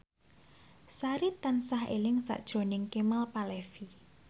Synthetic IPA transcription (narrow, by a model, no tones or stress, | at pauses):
saɾit̪ansaɦḛlɪŋsa̰ʔd̥ʒ̥ɾo̤nɪŋkemalpalefi